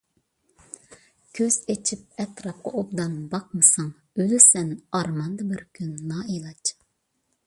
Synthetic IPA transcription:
kʲʰøz̥et͡ʃʰip̚ɛt̪ɾɑp̚qɑobd̪ɑnbɑq̚mɨsɑŋ | ølysɛnɑɾmɑnd̪ɑbɪɾkʲʰynːɑːilˠɑt͡ʃ

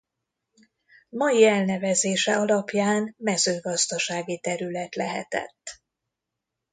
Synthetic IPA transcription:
mɒjiɛlnɛvɛzeːʃɛɒlɒpjaːnmɛzøːɡɒzd̪ɒʃaːɡit̪ɛɾylɛt̪lɛɦɛ̰t̪ɛ̰t̪ː

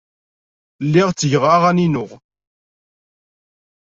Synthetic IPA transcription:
lːɪʁt͡sːəʝʁaʁæninʊʁ

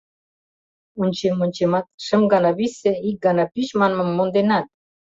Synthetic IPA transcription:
unʲt͡ɕemonʲt͡ɕemɑt̪̚ʃə̆mɡɑnɑβisĕik̚ɡɑnɑpyʃmɑnmə̆mːond̪enɑt̪̚

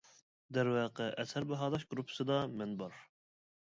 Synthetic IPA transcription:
d̪ɛɾwɑːqəʔɛshæɾbɛɦɑːd̪ɑʃɡɾupʰːɨ̥sɨd̪ɑmɛnbɑɾ

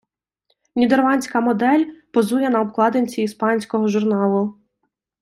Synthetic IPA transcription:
nʲid̪ɛrlˠɑnʲsʲkɐmɔd̪ɛlʲpɔzujɛnɐɔbklˠɑd̪enʲt͡sʲiːspɑnʲsʲkɔɦɔʒʊrnɑlˠʊ

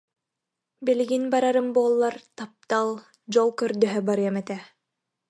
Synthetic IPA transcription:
biliɡinbaɾaɾɯmbuːlˠːaɾt̪ap̚t̪alˠ | d͡ʑɔlˠkœɾd̪œɦœbaɾɯɛmɛt̪ɛ

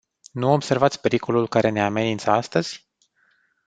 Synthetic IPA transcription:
nuobse̞rvat̪sʲpe̞ɾiko̞lulkaɾe̞ne̞ame̞nint̪səast̪əz̥ʲ

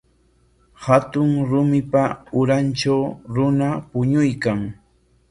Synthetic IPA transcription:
hat̪ʊŋɾʊmɪpaʊɾanʈ͡ʂawɾʊnapʊɲʊjkaŋ

